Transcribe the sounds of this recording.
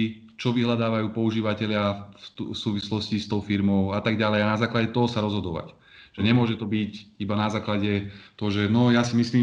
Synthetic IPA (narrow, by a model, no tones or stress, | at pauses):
i | t͡ʃɔʋiɦlad̪aːʋajuːpɔuʒiːʋacɛʎɪafsuːʋislɔscist̪ɔʊfiɾmɔʊat̪aɡɟalɛjanazaːklaɟɛt̪ɔɦɔsaɾɔzɦɔd̪ɔʋa̰c | ʒ̥ɛɲɛmʊɔʒɛt̪ɔbicibanazaːklaɟɛt̪ɔɦɔʒɛnɔjasimisliː